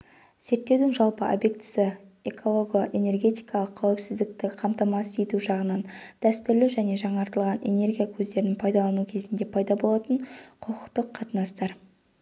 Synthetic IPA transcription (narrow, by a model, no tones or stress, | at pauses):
z̥e̞ɾt̪ːe̞wd̪ɪŋʒɑlˠpəʔo̰bje̞k̚t̪ɪ̥sɪe̞kʰo̞lˠoɡoʔe̞ne̞rɡʲe̞t̪ijkɑlˠəqʰːæwɪpsɪzd̪ɪk̚t̪ɪqʰɑmt̪ɑmɑset̪uʒɑʁənɑnd̪̥æst̪ʏɾlɪʒæne̞ʒɑɴɑɾt̪əlˠʁɑne̞̰ne̞rɡʲijakʲʰɵzd̪e̞ɾɪnpʰɑjd̪ɑlˠɑnukʲʰe̞zɪnd̪e̞pʰɑjd̪ɑbo̞lˠɑt̪əɴqʰʊqʰʊqt̪əqʰːɑt̪ənɑst̪ɑɾ